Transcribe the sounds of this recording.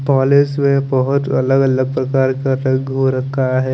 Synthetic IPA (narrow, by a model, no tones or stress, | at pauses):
pɔːlɪsmẽbɐɦʊt̪ɐləɡələɡ̚pɾɐkaːɾkaɾəɡʱɦoɾɐkʰːaɦɛː